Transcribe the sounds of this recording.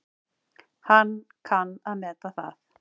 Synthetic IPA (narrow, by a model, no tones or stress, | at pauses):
hanːkʰanːaðmɛːt̪aθa̰θ